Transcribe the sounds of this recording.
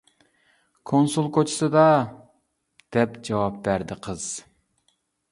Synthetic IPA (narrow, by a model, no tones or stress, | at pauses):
kʰonsulˠkʰot͡ʃʰi̥sɨd̪ɑ | d̪̥ɛpd͡ʒɑwɑp̚bæɾd̪ɪqʰəz̥